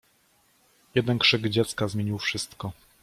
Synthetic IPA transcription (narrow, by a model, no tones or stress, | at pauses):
jɛd̪ɛnkʂɘɡd͡ʑɛt̪skazmʲjeɲiwfʂɘst̪kɔ